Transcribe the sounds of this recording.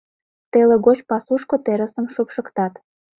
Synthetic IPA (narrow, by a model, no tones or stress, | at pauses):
t̪eleɡot͡ɕpɑsuʃkot̪eɾə̆sə̆mʃupʃə̆kt̪ɑt̪